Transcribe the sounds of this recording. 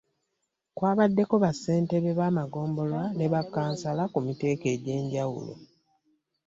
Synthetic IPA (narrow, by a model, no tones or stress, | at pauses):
kwaːβadːe̞ko̞βasːe̞ːnte̞βeβaːmaɡo̞ːmbo̞lwane̞βakːaːnsalakumite̞ːke̞ɟe̞ːɲɟawṵlo̰